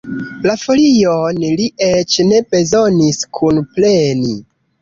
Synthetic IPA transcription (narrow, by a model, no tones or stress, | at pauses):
lafo̞lionliet͡ʃne̞be̞zoniskʰunplenḭ